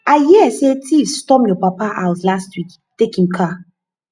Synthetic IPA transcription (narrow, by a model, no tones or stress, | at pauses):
ajiɛsetʰifstɔpjɔpapaʔaʊslastwik | tekĩmkʰa